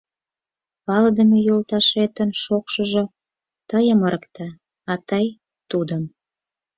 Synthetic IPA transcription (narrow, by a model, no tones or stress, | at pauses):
pɑləd̪əmejolt̪ɑʃet̪ənʃokʃəʒo | t̪əjəməɾəkt̪ɑ | ɑt̪əj | t̪ud̪ə̆m